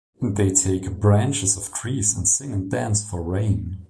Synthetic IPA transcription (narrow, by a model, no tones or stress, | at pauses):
nðeɪtʰeɪkbɹæ̃nt͡ʃɨzʌv̥tʰɹ̥izə̃nsɪ̃ŋɨ̃ndæ̃nsfə˞ɹẽɪ̃n